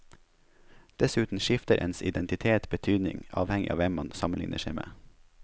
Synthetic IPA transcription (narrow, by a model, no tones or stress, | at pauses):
d̪̥ɛsʉːt̪n̩ʃɪft̪əɾʔɛ̰ːnsɪd̪ɛnt̪ɪt̪ʰeːt̪bət̪ʰyːd̪nɪ̰ŋɑːʋhɛŋɪʔɑ̰ːʋɛmmɑnsɑmənlɪ̰ŋnəʃɛɪmḛː